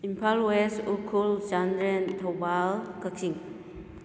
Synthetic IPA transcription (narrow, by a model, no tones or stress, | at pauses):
impʰalwesukʰuld͡ʒandɾɛntʰɔbalkakʰiŋ